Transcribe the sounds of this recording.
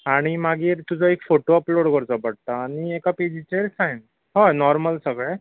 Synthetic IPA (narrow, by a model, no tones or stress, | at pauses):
aɽ̃imaɡiːɾt̪ud͡zʱɔekfoʈoəploɽkəɾt͡sɔpəɽ̚t̪aːɽ̃iekaped͡ʑit͡ɕeɾsajm | ɦɔjnɔɾməlsəɡɭɛ